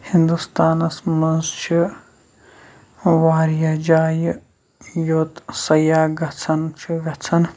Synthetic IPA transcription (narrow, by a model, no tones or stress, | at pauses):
hind̪ust̪aːnɐsmɐnzt͡ʃʰi | ʋaːɾjɐd͡ʒaːjɨ | jot̪sɐjaːɡɐt͡sʰɐnt͡ʃʰiɡɐt͡sʰɐn